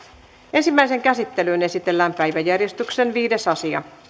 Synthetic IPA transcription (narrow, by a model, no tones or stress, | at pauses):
ensimːæiseŋkæsit̪ːeløːne̞sit̪elːæːmpæjʋæjærjest̪yksenʋiːdesɑsiɑ̰